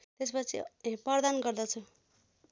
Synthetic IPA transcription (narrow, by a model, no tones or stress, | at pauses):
t̪espʌt͡sʰḭpʌɾd̪anɡʌɾd̪ʌt͡sʰu